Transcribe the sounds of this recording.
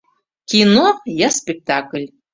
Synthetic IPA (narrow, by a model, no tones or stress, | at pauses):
kʲinojaspʲek̚t̪aklʲ